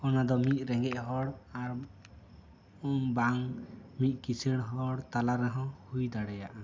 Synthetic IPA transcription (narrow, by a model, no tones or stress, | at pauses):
ɔnad̪ɔmit̪̚ˀɾɛŋɡɛʔɦɔɽaɾ | umbaŋmit̪̚ˀkisəɽɦɔɽt̪alaɾɛɦɔ̃hujd̪aɽɛjaʔa